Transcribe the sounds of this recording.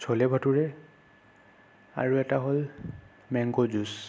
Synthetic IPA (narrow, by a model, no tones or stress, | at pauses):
sʰɔlɛbʱatuɹɛ | a̰ɹuɛtaɦol | mɛŋɡozus